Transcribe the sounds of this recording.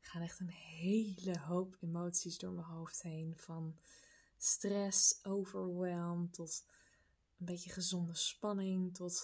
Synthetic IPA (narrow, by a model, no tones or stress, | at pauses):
kχaːnɛχtənɦejləɦowpemowtsizdʊːɹməɦowftɦejnv̥ɑn | strɛsowvəɹwɛlˠmtɔt | ənbejtəχəzɔndəspɑnɪŋtɔt